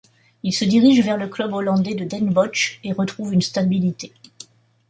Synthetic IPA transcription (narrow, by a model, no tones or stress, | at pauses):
ilsəd̪iʁiʒvɛʁləklœbolɑ̃d̪ɛd̪əd̪ɛnbɔt͡ʃeʁət̪χuvynst̪abilit̪e